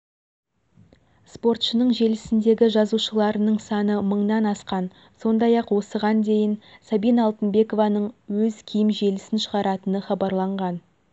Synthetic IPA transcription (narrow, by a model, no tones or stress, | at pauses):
spo̞rt̪ʃənəɴʒe̞lɪsɪnd̪e̞ɡʲɪʒɑzuʃəlˠɑɾənəɴsɑnəməɴnɑnɑsqɑn | so̞nd̪ɑjɑqwo̞səʁɑnd̪e̞jɪnsabijnːlˠt̪ənbe̞ko̞vɑnəɴwɵzkʲʰijɪmʒe̞lɪsɪnʃəʁɑɾɑt̪ənəχɑbɑɾlˠɑɴʁɑn